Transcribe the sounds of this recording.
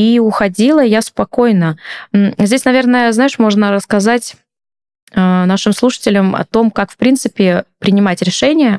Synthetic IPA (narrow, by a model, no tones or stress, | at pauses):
iʊxɐdʲilˠəjaspɐko̞jnəm̩zʲdʲesʲnɐvʲernəjəznajɪʂmo̞ʐnəɾəskɐzatʲ | ənaʂɨmslˠuʂə̥tʲɪlʲəmɐ̰t̪o̞mkakfpɾʲint̪sɨpʲɪpɾʲɪnʲɪmatʲɾʲɪʂɛnʲɪjə